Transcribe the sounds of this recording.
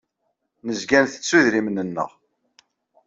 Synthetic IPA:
nəzɡænθə̥t͡sːuðɾimnənːə̰ʁ

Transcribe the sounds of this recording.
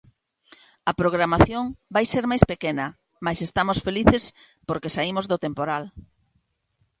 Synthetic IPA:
ɐpɾoɣ̞ɾamaθjoŋbajseɾmajspekenɐ | majsest̪amosfeliθes | poɾkesaimozðot̪empoɾal

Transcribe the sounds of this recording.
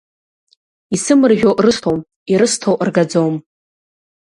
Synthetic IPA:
isɨmɨrʒʲᶣowʔrɨstʰowm | iɾɨstʰowʔrɡad͡zowm

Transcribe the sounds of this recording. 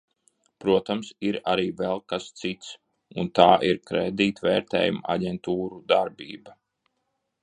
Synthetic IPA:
pɾuɔt̪amsiɾaɾiːvɛlˠkast̪sit̪s | unt̪aːʔiɾkɾɛːd̪iːt̪vɛːɾt̪ɛ̰ːjṵma̰ɟʲɛnt̪uːɾud̪aɾbḭːba

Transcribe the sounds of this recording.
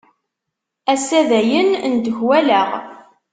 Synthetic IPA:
æsæðæjənnd̪əʝwæləʁ

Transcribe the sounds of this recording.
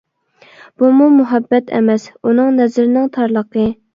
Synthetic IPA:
b̥umumuɦɛbːɛt̪ʰɛ̰mɛsunɨŋnɛzɪɾnɪŋt̪ʰɑɾlˠəqə

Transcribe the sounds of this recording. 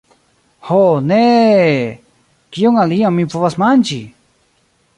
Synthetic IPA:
hone | kijoŋaliãmĩpuβasmant͡ʃi

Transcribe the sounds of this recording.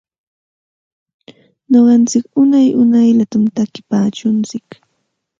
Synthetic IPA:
ɲoɢɑnt͡sɪkʊnajʔʊnajlat̪amt̪akɪpaːt͡ʃʊnt͡sɪk

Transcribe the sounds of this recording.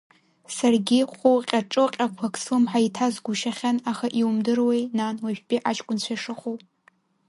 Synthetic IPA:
sarɡʲɪχʷʊqʲʼaʈ͡ʂʼɨqʲʼakʷʰakʰʼsɨmħaitʰazɡʷʊʃaχʲanaχaʔiwumdɨrwejnanwaʒᶣpʼiʔat͡ʃʼkʷʼʊnt͡ɕʷʰajʂɨχowpʼ

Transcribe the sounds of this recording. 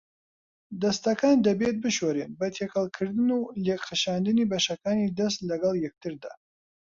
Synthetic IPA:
d̪ɐst̪ɐkaːnd̪ɐbet̪̚bɨʃwɛɾeːnbɐt̪ʰekʰɐlˠkʰɨɾd̪ɨnulekxəʃaːnd̪ɨnibɐʃɐkaːnid̪ɐst̪lɐɡɐlˠjɛk̚t̪ɨɾd̪a̰ː

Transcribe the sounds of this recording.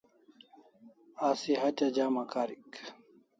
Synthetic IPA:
asiɦatad͡ʑamakaɾik

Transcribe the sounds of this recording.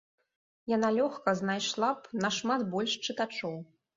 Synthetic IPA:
janalʲɔxkɐznajʂlˠapnɐʂmat̪bɔlʲʂt͡ʂɨt̪at͡ʂɔw

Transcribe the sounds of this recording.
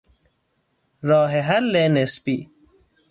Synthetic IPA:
ɾɑːɦeɦɐlːenespi

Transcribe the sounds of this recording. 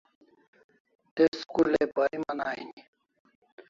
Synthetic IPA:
t̪eskulepaimɐnaːini

